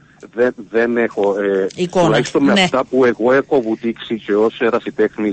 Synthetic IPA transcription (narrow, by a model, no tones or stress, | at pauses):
ðenðenexoeuulɐçist̪onmeɐft̪ɐpue̞ɣo̞eko̞vut̪iksiceoseɾɐsit̪exni